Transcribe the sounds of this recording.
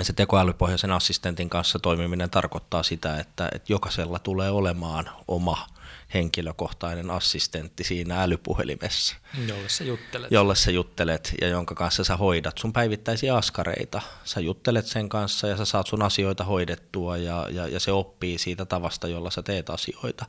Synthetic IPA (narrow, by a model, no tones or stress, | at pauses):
set̪ekoælypohjɑsenɑsːist̪ent̪iŋkɑnssɑt̪oimiminent̪ɑrkot̪ːɑːsit̪æet̪ːæ̰ʔḛt̪jokɑselːɑt̪uleːolemɑːnʔomɑheŋkiløkoht̪ɑinenɑsːist̪ent̪ːisiːnæælypṵhḛlḭmʔḛsːæ̥ojutːjolːessæjut̪ːelet̪jɑ̰joŋkɑkɑ̃nsːɑsæhoidɑt̪sumpæiʋit̪ːæisiɑɑskɑrḛit̪ɑsæjut̪ːelet̪seŋkɑnsːɑjɑsæsɑːt̪sunɑsioit̪ɑhoidet̪ːuɑjɑ̰jɑ̰jɑ̰seopːiːsiːt̪æt̪ɑʋɑst̪ɑjolːɑsæt̪eːt̪ɑsio̰it̪ɑ